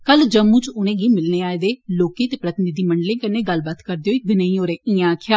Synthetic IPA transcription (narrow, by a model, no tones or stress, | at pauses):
kəld͡ʒəmːũːt͡ʃʊnẽːɡiːmɪlneːaːeːd̪eːloːkiːt̪eːpɾət̪ɪnɪd̪iːməɳɖlẽːkənːẽːɡəlbaːt̪kəɾd̪eːoːiːbɪnəĩːoːɾẽːʔĩãːkʰjaː